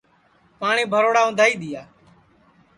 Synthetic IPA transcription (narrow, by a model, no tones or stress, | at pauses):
paːɳiːbʱəɾoːɽaːʊ̃nd̪ʱaːiːɗ̪ɪjaː